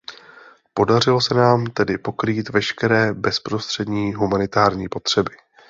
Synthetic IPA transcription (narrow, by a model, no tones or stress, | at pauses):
po̞dar̝ɪlo̞sɛnaːmt̪ɛdɪpo̞kɾiːt̪vɛʃkɛɾɛːbɛspɾo̞st̪r̥ɛdɲiːɦumanɪt̪aːɾɲiːpo̞t̪r̝̥ɛbɪ